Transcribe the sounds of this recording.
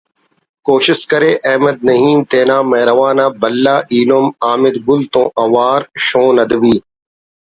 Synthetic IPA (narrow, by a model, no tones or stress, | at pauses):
koːʃɪskɐɾeːʔɛɦməd̪̚nɐɦiːmt̪eːnaːmɐːɾɐʋaːnãːbɐlːaːʔiːlomaːmɪd̪ɡʊlt̪õːʔɐʋaːɾʃõːnɐd̪ʋiː